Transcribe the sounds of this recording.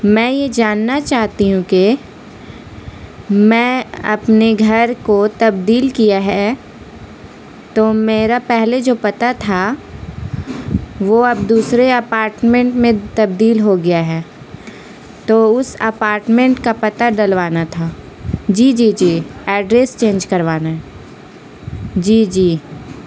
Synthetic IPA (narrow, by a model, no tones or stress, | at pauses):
mɛ̃ːjed͡ʒaːnːat͡ʃaːɦt̪iɦũke | mɛ̃ːɐ̰pneɡʱɐɾkot̪ɐbd̪iːlkijaɦɛ | t̪oːmeːɾapɛɦled͡ʒoːpɐt̪at̪ʰa | ʋoɐb̚d̪uːsɾeɐpaːɾʈmẽɳʈmẽt̪ɐb̚d̪iːlɦoɡɪjaɦɛː | t̪oːʊsɐ̰paːɾʈmẽɳʈkapɐt̪aɖɐlʋaːnat̪ʰaː | d͡ʒiːd͡ʒiːd͡ʒiːɛːɖɾeːst͡ʃẽːnd͡ʒkɐɾʋaːnaɦɛ | d͡ʒiːd͡ʒiː